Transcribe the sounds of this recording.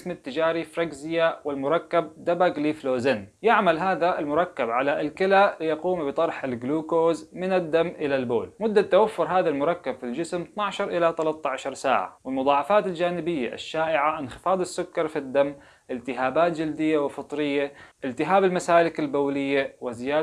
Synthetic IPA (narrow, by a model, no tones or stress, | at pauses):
smat̪ːɪd͡ʒaːɾifɾˤaɡzɪjawɪlmʊɾˤɑkːab̚d̪abaɡlifloːzanjɪʕmalɦaːðaɪlmʊɾˤɑkːabʕalaʔɪlkɪlalɪjɑquːmbɨt̪ˤɑɾˤħɪlɡluːkoːzmɪnad̪ːamːʔɪlalbo̰ːlmʊd̪ːat̪ːawafːʊɾɦaːðalmʊɾˤɑkːabfild͡ʒɪsmt̪naʕʃɑɾˤʔɪlat̪alat̪ːaʕaʃɑɾˤsa̰ːʕa̰wɪlmʊðˤɑːʕɑfaːt̪ɪld͡ʒaːnɪbɪjːa̰ʔɪ̰ʃːaːʔɪʕaʔɪnxɪ̥fɑːd̪ˤɪsːʊkːɑɾˤfid̪ːamː | ʔɪlt̪ɪɦaːbaːt̪d͡ʒɪld̪ɪjːawɪfɨt̪ˤɾɪjːaʔɪlt̪ɪɦaːbɪlmasaːlɪkalbaːlɪjːawɪzɪjaː